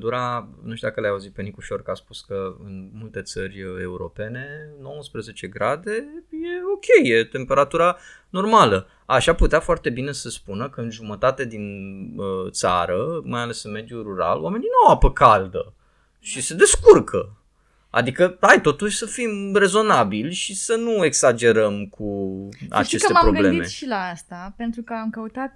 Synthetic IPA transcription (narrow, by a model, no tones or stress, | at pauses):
d̪uɾanuʃt̪uakəlajauzit̪̚pe̞nikuʃo̞rkaspuskəɨ̰nmult̪e̞t̪sərʲe̞̰uɾo̞̰pe̞ne̞no̞wəspɾəze̞t͡ʃe̞ɡɾad̪e̞je̞o̞kʲʰe̞jje̞t̪e̞mpe̞ɾat̪uɾano̞rmalə | aʃaput̪eafoart̪e̞bine̞səspunəkəɨnʒumət̪at̪ed̪inət̪sa̰ɾəmajale̞sɨnme̞d̪juɾuɾa̰lowame̞ninuawapəkʰald̪ə̰ | ʃise̞d̪e̞skurkʰə | a̰d̪ikəajt̪o̞t̪uʃʲsəfimre̞zo̞nabilʲʃisənue̞ksad͡ʒe̞ɾəmkʰua̰t͡ʃe̞skəemapɾo̞ɡɨble̞d̪ime̞ʃilaast̪ape̞nt̪ɾukəamkəut̪at̪̚